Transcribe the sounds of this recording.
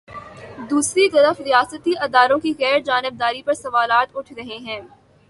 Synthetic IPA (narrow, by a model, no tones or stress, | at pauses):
d̪uːsɾit̪ɐɾəfɾijaːsət̪iʔɐd̪aːɾõkiɣɛːɾd͡ʒaːnɪb̚d̪aːɾipɐɾsɐʋaːlaːt̪ʊʈʰɾɐɦeɦɛ̃ː